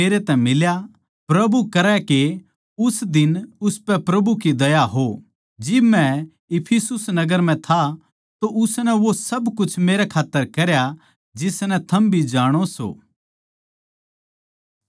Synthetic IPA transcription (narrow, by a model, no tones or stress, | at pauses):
eːɾet̪ɛ̃mɪlja | pɾɐbukɐɾɛke | ʊsd̪ɪnʊspɛpɾɐbukid̪ɐjaɦo | d͡ʒɪbmɛ̃ | ɪpʰisʊsnɐɡəɾm̤ɛ̃t̪ʰa | t̪oʔʊsnɛʋosɐbkʊt͡ʃʰmeːɾɛkʰaːt̪ːəɾkɐɾja | d͡ʒɪsnɛt̪ʰɐmbʱid͡ʒaːɽ̃oso̰ː